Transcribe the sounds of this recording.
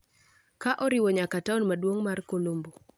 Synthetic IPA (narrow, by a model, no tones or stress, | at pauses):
kaʔɔɾɪwɔɲakataɔnmadwoŋmarkolombo